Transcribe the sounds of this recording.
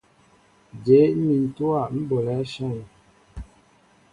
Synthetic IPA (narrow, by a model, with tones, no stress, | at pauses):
d͡ʒe˨˦mi˨n̩˨tu˦a˦˨m̩˦bo˨lɛ˨˦ʃa˦˨ŋ˨